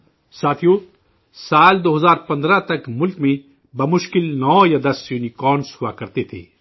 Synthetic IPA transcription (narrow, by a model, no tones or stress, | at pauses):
saːt̪ʰijo | saːld̪oːɦɐzaːɾpɐ̃nd̪ɾat̪ɐkmʊlkmẽ | bɐmʊʃkɪlnɔːjad̪ɐsjuːnikɔːnshʊakɐɾt̪et̪ʰḛː